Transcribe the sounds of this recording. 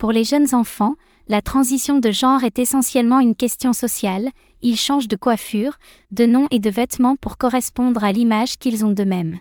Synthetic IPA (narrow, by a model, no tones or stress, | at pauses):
puʁleʒənzɑ̃fɑ̃ | lat̪χɑ̃zisjɔ̃d̪əʒɑ̃ʁɛt̪esɑ̃sjɛlmɑ̃ynkʲɛst̪jɔ̃sɔsjal | ilʃɑ̃ʒd̪əkwafyːʁ | d̪ənɔ̃ʔed̪əvɛt̪mɑ̃puʁkɔʁɛspɔ̃d̪ʁalimaʒkʲilzɔ̃d̪əmɛm